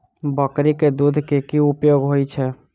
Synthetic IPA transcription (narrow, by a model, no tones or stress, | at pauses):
bəkɾiked̪ud̪ʱkekiupjoːɡɦoit͡ʃʰɛ